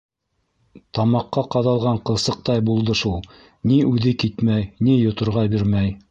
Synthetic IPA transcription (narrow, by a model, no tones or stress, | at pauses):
t̪ɑmɑqːɑqɑðɑlˠʁɑɴqɤ̆lˠsɤ̆q̚t̪ɑjbulˠd̪ɤʃulˠ | niʉðɘkit̪mæjnijŏt̪ŏɾʁɑbiɾmæj